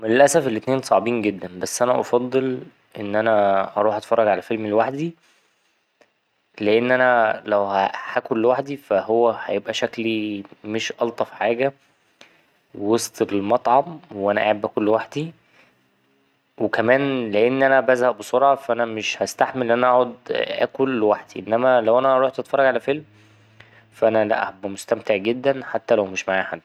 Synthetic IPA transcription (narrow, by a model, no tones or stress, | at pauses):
menelʔæsæfelʔet̪neːnsˤɑʕbiːnɡed̪ːænbæsːʔænæʔɑ̰fɑd̪ˤːel | ʔenːʔænæʔɑɾˤuːħʔɑt̪e̥fɑrˤːɑɡʕalæfelmelwaħd̪i | leʔenːʔænælæwhæħækulːwaħd̪ifæhowːæhæjebʔæʃæklimeʃʔɑlt̪ˤɑfiħaːɡæ | wewesˤt̪ˤeelmɑt̪ˤʕɑmweʔænæʔa̰ʕabːʔækolːwaħd̪i | wekæmæːnleʔenːʔænæbæzhæʔbesˤoɾʕɑfæʔænæmeʃhæst̪aħmelʔænæʔɑʕod̪ʔæ̰kolːwaħd̪iʔenːæmælæwʔænæʔɑɾˤuːħt̪et̪fɑrˤːɑɡʕalæfelm | fʔænælæ̰ʔhbmost̪æmt̪eʕɡed̪ːænħat̪ːælæwmeʃmaʕaːħad̪ːi